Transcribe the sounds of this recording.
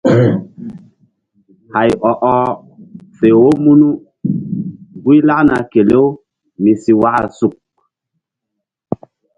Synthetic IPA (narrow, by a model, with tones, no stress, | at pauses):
ha˨jɔ˨ʔɔ˦ | fe˨wo˦mu˦nu˦ | ɡu˦jla˦ʔna˨ke˨le˦w | mi˨si˨wa˦ʔa̰˨su˨k̚